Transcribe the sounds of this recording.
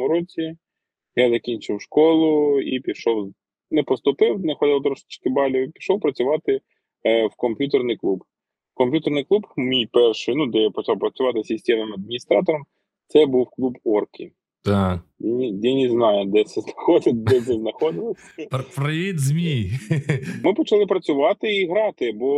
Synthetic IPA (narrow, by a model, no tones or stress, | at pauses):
mʊɾɔt͡sʲi | jazɐkʲinʲt͡ʃɪwʃkɔlˠʊḭpʲiʃɔw | nɛpɔst̪ʊpɪwnɛxɔd̪ɪlˠt̪ɾɔʃʲɪ̥t͡ʃkɪbɑlʲiipʲi̥ʃɔwpɾɐt͡sʲʊʋɑt̪ɪ | wkɔmʲpʲjut̪ɛrnɪjklˠub | kɔmpʲjut̪ernɪjklˠupmʲijpɛrʃɪjnud̪ɛjapɔt͡ʃɑwpɾɐt͡sʲʊʋɑt̪ɪsʲisʲtʲɛʋnɪmɐd̪̚mʲinʲist̪ɾɑt̪ɔɾɔm | t̪sɛbuwklˠubɔrkʲḭ | t̪ajinʲij̪ɛnʲɪznɑjʊd̪ɛsɛznɐxɔd̪ɪt̪̚ʲd̪ɛsɛznɐxɔd̪ɪlˠɔsʲ | pɾɪʋʲid̪zʲmʲi | mɪpɔt͡ʃɐlˠɪpɾɐt͡sʲʊʋɑt̪ɪiɦɾɑt̪ɪbɔ